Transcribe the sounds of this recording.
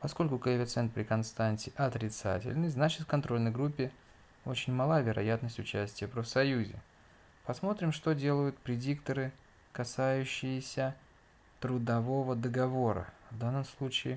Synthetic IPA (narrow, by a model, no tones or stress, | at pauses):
pɐsko̞lʲkʊkəvʲɪt̪sɛnt̪̚pɾʲɪkɐnst̪anʲtʲɪʔɐt̪ɾʲɪt̪sa̰tʲɪ̰lʲnɨznat͡ɕɪt̪fkɐnt̪ɾo̞lʲnəjɡɾupʲːɪ | o̞t͡ɕɪnʲmɐlˠavʲɪɾɐ̰jat̪nəsʲtʲʊt͡ɕæsʲtʲɪjəpɾəfsɐjuzʲɪ̰ | pɐsmo̞t̪ɾʲɪmʂt̪odʲe̞lˠəjʊt̪pɾʲɪdʲikt̪əɾɨ | kɐsajʉɕːɪjɪsʲə | t̪ɾʊd̪ɐvo̞vəd̪əɡɐvo̞ɾə̰vd̪anːəmslˠut͡ɕɪɪ